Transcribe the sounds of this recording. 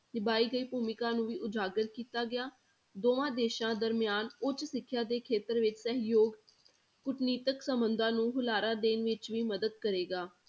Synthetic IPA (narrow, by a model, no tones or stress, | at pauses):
nɪbaːiːɡəiːpuːmɪkãːnũːʋiːʔʊd͡ʒaːɡəɾkiːt̪aːɡɪaː | d̪oːʋãːd̪eːʃãːd̪əɾmɪjaːnʊt͡ʃsɪkʰːjaːd̪eːkʰeːt̪əɾʋɪt͡ʃsəɦjoːɡ | kʊʈniːt̪əksəmbənd̪ãːnũːɦʊlaːɾãːd̪eːnʋɪt͡ʃʋiːməd̪əd̪̚kəɾeːɡaː